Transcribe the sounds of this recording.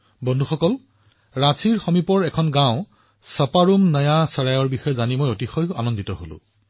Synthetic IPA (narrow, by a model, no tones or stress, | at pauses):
bɔndʱuxɔkɔl | ɹasʰiɹxomipɔɹɛkʰɔnɡãʊ̃ | sɔpaɹumnajasɔɹajɔɹbixɔjɛzanimojotixɔja̰nɔnditɔɦolʊ̰̃